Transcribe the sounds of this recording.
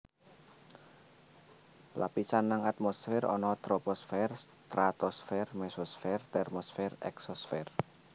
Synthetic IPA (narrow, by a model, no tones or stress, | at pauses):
lʔa̰pisanːəŋat̪̚mɔsfɛrɔ̰nɔt̪ɾɔpɔsfɛrst̪ɾat̪ɔsfɛrmɛsɔsfɛrt̪ɛrmɔsfɛrɛ̰ksɔsfɛr